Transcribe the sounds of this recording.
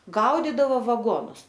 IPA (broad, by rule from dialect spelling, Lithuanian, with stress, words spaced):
ˈɡɐʊdʲiːdɐʋoː ʋɐˈɡoːnʊs